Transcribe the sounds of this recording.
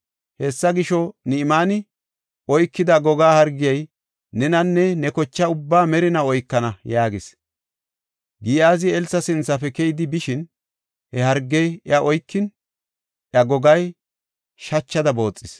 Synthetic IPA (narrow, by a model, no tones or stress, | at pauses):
hɛsːɐɡɪʃɔnɪmaːnɪ | ɔjkːɪd̪ɐɡɔɡaːhɐɾɡːɪjɐj | nɛnɐnːɛnɛkɔt͡ʃːɐʊbːaːmɛɾɪnɐɔjkːɐnɐjaːɡɪs | ɡiːaːzɪɛlsɐsɪnt͡sːɐfɛkɛjd̪ɪbɪʃɪn | hɛhɐɾɡːɛjɪɐʔɔjkːɪn | ʔɐɡɔɡɐj | ʃɐt͡ʃːɐd̪ɐbo̞ːt͡sʼːɪs